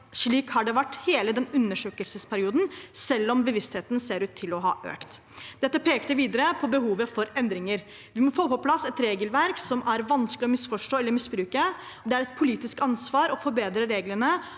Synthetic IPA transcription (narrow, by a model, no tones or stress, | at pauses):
ʂɭiːkhɑɖɛʋæʈːheːləd̪ɛnʉnːəʂøːkəlsəspʰæɾɪuːd̪n̩sɛlːɔmbəʋɪst̪heːt̪n̩seːɾʉːt̪ʰːɪlɔɦɑ̰ːʔø̰ːkt̪ | d̪ɛt̪ːəpʰeːkt̪əʋiːd̪əɾəpʰɔbəɦuːʋəfɔɾɛnd̪ɾɪŋəɾ | ʋɪmɔfoːpɔpʰlɑsːɛt̪ɾeːɡəlʋæɾksɔmæɾʋɑnsklɪɔmɪsfɔʂʈoːɛlːəɾmɪsbɾʉːkə | ɔd̪ɛæɾɛt̪̚pʰʊliːt̪ɪskɑnsʋɑːɾɔfɔɾbeːd̪ɾəɾeːɡlənə